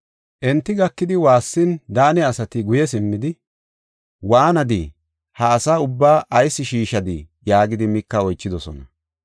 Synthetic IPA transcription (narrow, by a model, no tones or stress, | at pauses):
ʔɛnt̪ːɪɡɐkːɪd̪ɪwaːsːɪnd̪aːnɛɐsɐt̪ɪɡʊjɛs̬ɪmːɪd̪ɪ | waːnɐd̪ɪ | hɐːsaːʊbːaːʔɐjsːɪʃiːʃɐd̪ɪ | jaːɡɪd̪ɪmɪkːɐɔjt͡ʃːɪd̪ɔsɔ̰nɐ